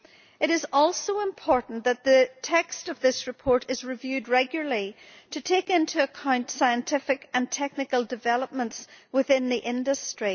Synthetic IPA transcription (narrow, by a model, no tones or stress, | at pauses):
ɨɾɨzɔlˠsoʊɪ̃mpʰɔɹʔn̩ðət̪̚ðɨtʰɛkstʌvðɪsɹɨpʰɔɹɾɨzɹɨvjʉd̚ɹɛɡjl̩ˠəlˠi | tʰɨtʰekɪ̃ntʰʉəkʰãʊ̃ntsaɪə̃ntʰɪfɨkə̃ntʰɛk̚nɨkəl̩ˠdɨvɛlˠəp̚mə̃ntswɪθɪ̃nðiʔɪ̃ndɨstɹ̥i